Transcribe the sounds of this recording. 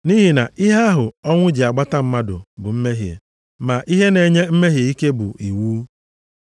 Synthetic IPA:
ni˦ɦi˨na˨ʔi˦ɦe˦a˦ɦʊ˨ɔ˦ŋʷʊ˦d͡ʒɪ˨a˨ɡ͡ba˦ta˦m̩˦ma˦dʊ̰˨bʊ˨m̩˦me˦ɦjḛ˨ | ma˨ʔi˦ɦe˦ne˨ɲe˦m̩˦me˦ɦje˨i˦ke˦bʊ̰˨ʔi˨wuː˦

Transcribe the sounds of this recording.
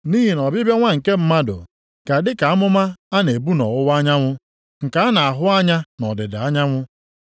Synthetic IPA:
ni˦ɦi˨nɔ˨bɪ˦be˦ŋʷa˦ŋ̩˨ke˦m̩˦ma˦dʊ̰˨ | ka˨dɪ˦ka˨a˦mʊ˦ma˦a˦ne˨bu˦nɔ̰˨ʊ˦wa˦ɲa˦ŋʷʊ˦ | ŋ̩˨ka˦a˦na˨a˨ɦʊ˦a˦ɲa˦nɔ˨dɪ˨da˨a˦ɲa˦ŋʷʊ˦

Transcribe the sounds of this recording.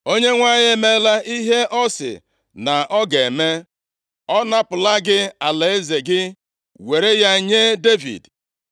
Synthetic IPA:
o˦ɲe˦ŋʷa˦ɲ˦e˦me˦la˦ʔi˦ɦe˦ʔɔ˦sɪ̰˨ | na˨ʔɔ˦ɡe˨e˨me˦ | ɔ˦na˦pʊ˨la˦ɡɪ˦a˨le˨e˦ze˨ɡɪ˦ | we˨ɾe˦ja˦ɲe˦de˦vḭ˨d

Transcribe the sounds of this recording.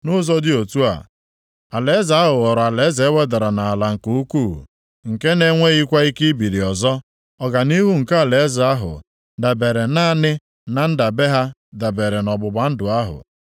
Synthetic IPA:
nʊ˦zɔ˦dɪ˦o˨tu˦a̰˨ | a˨le˨˦za˦ɦʊ˨ɣɔ˨ɾa˨le˨˦ze˦we˦da˨ɾa˨na˨a˨la˨ŋ̩˨ku˦u˦kṵ˦˨ | ŋ̩˨ke˦ne˦ŋʷe˦i˦kʷa˦i˦ki˦bi˨ɾi˨ɔ˨zɔ˦ | ɔ˦ɡa˨ni˦ɦu˦ŋ̩˨ka˦a˦˨le˨˦za˨a˦ɦʊ̰˨ | da˨be˨ɾe˨na˦˨nɪ˦ | na˨n̩˦da˨be˦ɦa˦da˨be˨ɾe˨nɔ˨bʊ˨ba˨n̩˦dʊ˨a˦ɦʊ̰˨

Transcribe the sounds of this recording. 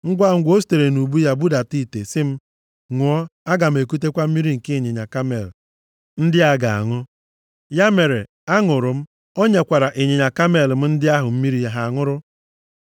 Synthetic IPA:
ŋ̩˦ɡʷa˦˨ŋ̩˦ɡʷo˦s̬i̥˦˨te˨ɾe˨nu˨bu˦ja˦bu˦da˨ti˦˨tḛ˨sɪ˦m̩˦ | ŋʷʊ˨ɔ˦a˦ɡa˨m̩˨e˨ku˦t̬e˦kʷa˦m̩˦mi˦ɾi˦ŋ̩˨ke˦e˨ɲe˨ɲa˨ka˦me˨l | n̩˦dɪ˦a˦ɡa˨a̰˨ŋʊ˦ | ja˦me˨ɾe˨ | a˦ŋʊ˨ɾʊ˨m̩˦ | o˦ɲe˨kʷa˨ɾa˨ʔe˨ɲe˨ɲa˨ka˦me˨lm̩˦n̩˦dɪ˦a˦ɦʊ˨m̩˦mi˦ɾi˦ja˨ɦa˨a˨ŋʊ˦ɾʊ˦

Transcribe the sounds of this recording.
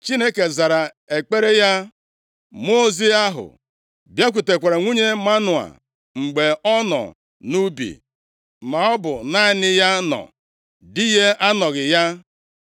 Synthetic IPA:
t͡ʃi˦ne˦ke˨za˨ɾa˨ | e˨k͡pe˦ɾe˦ja˦ | mo˦zi˦a˦ɦʊ̰˨ | bja˦kʷu˨te˨kʷa˨ɾa˨ŋʷu˦ɲe˦ma˦nʊ˨a̰˨ | ŋ͡m̩˨ɡ͡be˨ɔ˦nɔ̰˨ | nu˦bḭ˨ | ma˨ɔ˦bʊ˨na˦nɪ˦ja˦nɔ̰˨ | dɪ˦je˦a˦nɔ˨ɣɪ˨ja˦

